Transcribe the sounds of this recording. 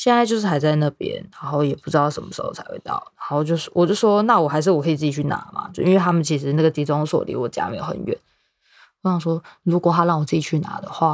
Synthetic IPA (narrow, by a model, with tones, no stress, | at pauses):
ɕjɛ˥˧na˥˧t͡ɕo˥˧ʊʂɻ̩˥˩xa˧˥ɪt͡sa˥˧ɪna˥˩pjɛ̰˧˥nɻa˧˥nxo˥˩ʊjɛ˨˩pu˥˩ʈ͡ʂɻ̩˥ɑ˥˩ʊʂə˧˥nmə˧ʂɻ̩˧˥xo̰˥˩ʊt͡sʰa˧˥ɪwḛ˥˧ɪt̪ɑ̰˥˩ʊɻa˧˥ŋxo˥˩ʊʊt͡ɕjo˥˧ʊʂ̩˥˩wɔ̰˨˩t͡ɕjo˥˧˥ʂwɔ˥na˥˩wɔ˨˩xa˧˥ɪʂ̬ɻ̩˥˩wɔ˨kʰi˨˩t͡sɹ̩˥˩t͡ɕi˨˩t͡ɕʰy˥˩na̰˧˦ma̰˨˧˥i˥nwe˥˧ɪt̪ʰa˥mə˨nt͡ɕʰi˧˥ʂ̬ɻ̩˧˥na˥˩ɡə˩t̪i˧˥˩ʈ͡ʂwɑ˥ŋ˧swɔ̰˥˩lḭ˧˥wɔ˨˩t͡ɕi˨a̰˥˩mḛ˧˥jo˧˩xə̰˧˦nɥɛ̰˥˩˦n | ɔ˧˥ɕɑ˥˩ʂ̬wɔ˥ɻu˧˥kwɔ˨˩t̪ʰa˥ɻɑ˥˩ŋwɔ˨˩t͡sɹ̩˥˩t͡ɕi˨˩t͡ɕʰy˥˩na̰˧˥d̪ə˨xwa˥˩